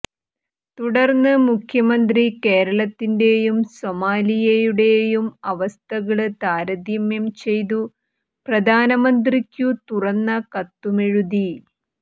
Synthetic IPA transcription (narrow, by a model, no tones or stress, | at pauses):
t̪uɽɐrnːɨmukʰjɐmɐnd̪rike̞ːɾɐɭɐt̪ːinde̞jumsomaːlijejuɽe̞jumɐʋɐst̪ʰɐɣɐɭɨt̪aːɾɐd̪imjɐmt͡ɕe̞jt̪u | prɐd̪ʱaːnɐmɐnd̪rikʲːut̪urɐnːɐkɐt̪ːumeɻuði